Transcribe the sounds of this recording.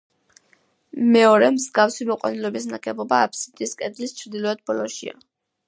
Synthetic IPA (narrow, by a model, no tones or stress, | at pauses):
mɛɔɾɛmzɡafsimɔqʼwa̰nilɔbisnakʰʼɛbɔbaːpʰsit̪ʼiskʼɛd̪list͡ʃʰɾd̪ilˠɔɛd̪̚bɔlɔʃḭa̰